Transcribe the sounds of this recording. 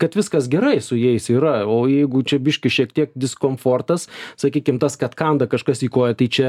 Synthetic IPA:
kɐt̪ʋʲɪskɐsɡʲɛɾɐɪsʊjɛɪsiːɾɐoːjɛɪɡʊt͡ʃʲɛbʲɪʃʲkʲɪʃʲiɛk̚t̪ʲiɛk̚d̪ʲɪskoːmfoːrt̪ɐssɐkʲiːkʲɪmt̪ɐskɐt̪kɐnd̪ɐkɐʃkɐsiːkoːjɛt̪ɐɪt͡ʃʲɛ

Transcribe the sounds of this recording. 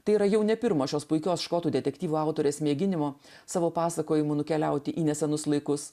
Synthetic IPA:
t̪ɐɪiːɾɐjɛʊnʲɛpʲɪɾmoːʃʲoːspʊɪkʲoːsʃkoːt̪uːd̪ʲɛt̪ʲɛkʲt̪ʲiːʋuːɑˑʊt̪oːɾʲeːsmʲeːɡʲɪnʲɪmoː | sɑːʋoːpɑːsɐkoːjɪmuːnʊkʲɛlʲɛʊt̪ʲɪʔiːnʲɛsʲɛnʊslˠɐɪkʊs

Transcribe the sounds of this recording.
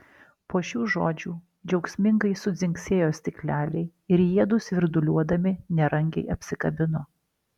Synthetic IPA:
poːʃʲuːʒo̰ːd͡ʒʲuː | d͡ʒʲɛʊksʲmʲɪŋɡɐɪsʊzʲɪŋʲksʲeːjoːsʲt̪ʲɪklʲæːlʲɛɪ | ɪɾjiɛd̪ʊsʋʲɪɾd̪ʊlʲuɔd̪ɐmʲɪnʲɛɾɐŋʲɡʲɛ̰ɪɐpʲsʲɪkɐbʲɪnoː

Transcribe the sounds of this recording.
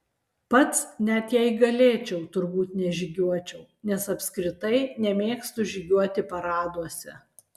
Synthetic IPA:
pɐt̪snʲɛt̪jɛɪɡɐlʲeːt͡ʃʲɛʊt̪ʊɾbuːt̪nʲɛʒʲɪɡʲuɔt͡ʃʲɛʊ | nʲɛsɐpʲsʲkɾʲɪt̪ɐɪnʲɛmʲeːkst̪ʊʒʲɪɡʲuɔt̪ʲɪpɐɾɑːd̪uɔsʲɛ

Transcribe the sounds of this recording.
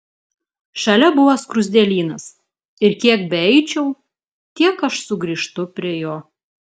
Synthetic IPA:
ʃɐlʲɛbʊʋoːskɾʊzʲd̪ʲɛːlʲiːnɐs | ɪɾkʲiɛk̚bʲɛɛɪt͡ʃʲɛʊ | t̪ʲiɛkɐʃsʊɡɾʲiːˑʃt̪ʊpʲɾʲiɛjoː

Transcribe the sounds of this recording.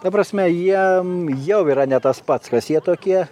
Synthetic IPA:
t̪ɐpɾɐsʲmʲɛjiɛjɛʊiːɾɐnʲɛt̪ɐspɐt̪skɐsjiɛt̪oːkʲiɛ

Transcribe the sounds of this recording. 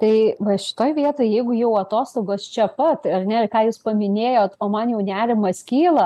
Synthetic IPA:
t̪ɐɪʋɐʃʲɪ̥t̪oːjʋʲiɛt̪oːjjɛɪɡʊjɛʊɐt̪oːst̪oːɡoːst͡ʃʲɛpɐt̪ɐrnʲɛɪrkɑːjuːspɐmʲɪnʲeːjoːt̪oːmɐnjɛʊnʲæːɾʲɪmɐskʲiːlˠɐ

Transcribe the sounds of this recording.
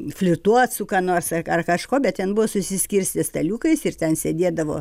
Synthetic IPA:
fʲlʲʊt̪uɔt̪sʊkɑːnoːrsɐɐrkɐʃkoːbʲɛtt̪ʲɛnbʊʋoːsʊsʲɪsʲkʲiːrʲsʲt̪ʲɪst̪ɐlʲuːkɐɪsɪrt̪ʲɛnsʲedʲeːd̪ɐʋo̰ː

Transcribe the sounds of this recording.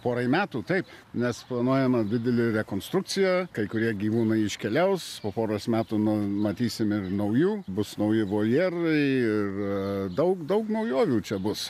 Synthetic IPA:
poːɾɐɪmʲæːt̪uːt̪ɐɪpnʲɛsplˠɐnuɔjɛmɐd̪ʲɪd̪ʲɛlʲɪɾʲɛkoːnst̪ɾʊk̚t͡sʲɪjɛkɐɪkʊɾʲiɛɡʲiːʋuːnɐɪɪʃʲkʲɛlʲɛʊspoːpoːɾɐsmʲæːt̪uːnʊmɐt̪ʲiːsʲɪmɪrnɐʊjuːbʊsnɐʊjɪʋoːjeːrɐɪɪrd̪ɐʊkd̪ɐʊknɐʊjoːʋʲuːt͡ʃʲɛbʊs

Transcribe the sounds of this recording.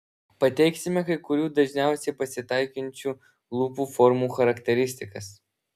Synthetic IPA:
pɐt̪ʲɛɪksʲɪmʲɛkɐɪkʊɾʲuːd̪ɐʒʲnʲɛˑʊsʲɛɪpɐsʲɪt̪ɐɪkʲɪnʲt͡ʃʲuː | lˠuːpuːfɔɾmuːxɐɾɐkt̪ʲɛɾʲɪsʲt̪ʲɪkɐs

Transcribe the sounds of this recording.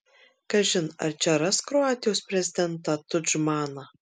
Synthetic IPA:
kɐʒʲɪnɐ̰ɾt͡ʃʲɛɾɐskɾɔɑːt̪ʲɪjoːspʲɾʲɛzʲɪd̪ʲɛnt̪ɑt̪ʊd͡ʒmɑːnɐ

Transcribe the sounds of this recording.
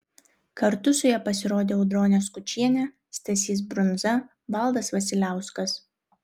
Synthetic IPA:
kɐɾt̪ʊsʊjɛpɐsʲɪɾoːd̪ʲeːɒʊd̪ɾoːnʲɛskʊt͡ʃʲiɛnʲɛ | sʲt̪ʲɐsʲiːs̬bɾʊnzɐ | ʋɐlˠˑd̪ɐsʋɐsʲɪlʲæˑʊskɐs

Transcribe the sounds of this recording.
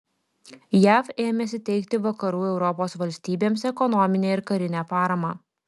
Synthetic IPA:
jæːfeːmʲɛsʲɪt̪ʲɛɪkʲt̪ʲɪʋɐkɐɾuːɛʊɾɔpoːsʋɐlʲsʲt̪ʲiːbʲeːmsɛkɔnɔmʲɪnʲeːɪɾkɐɾʲɪnʲæːpɑːɾɐmɑː

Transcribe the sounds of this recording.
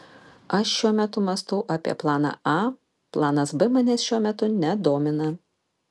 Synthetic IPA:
ɐʃʃʲuɔmʲɛt̪ʊmɐst̪ʊʊʔɑpʲiɛplˠɑːnɑ̰ːɑː | plˠɑːnɐsbɨmɑnʲɛsʃʲuɔmʲɛt̪ʊnʲɛd̪oːmʲɪnɐ

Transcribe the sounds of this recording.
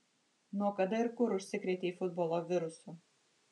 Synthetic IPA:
nuɔkɐd̪ɐɪɾkʊɾʊʃʲsʲɪkɾʲeːt̪ʲeiːfʊd̪boːlˠoːʋʲɪɾʊsu

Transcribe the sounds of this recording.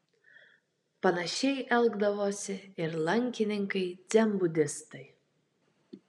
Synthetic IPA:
pɐnɐʃʲɛɪʔɛlˠɡd̪ɐʋoːsʲɪɪɾlˠɐŋʲkʲɪnʲɪŋkɐɪd̪zʲɛmbʊd̪ʲɪst̪ɐɪ

